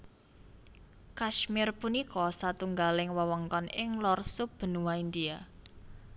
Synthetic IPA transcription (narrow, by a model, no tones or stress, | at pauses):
kaʃmɪrpunikɔsat̪uŋɡalɪŋwəwɔŋkɔnɪŋlɔrsub̥ə̤nuwaind̪ia